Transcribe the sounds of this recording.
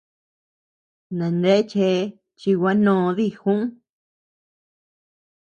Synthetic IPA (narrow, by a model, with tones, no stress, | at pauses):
nã˨nd̪e˦ʔt͡ʃe˧˦ | t͡ʃi˧wʷa˦nõ˧˨˧ði˦˧xũ˦ʔ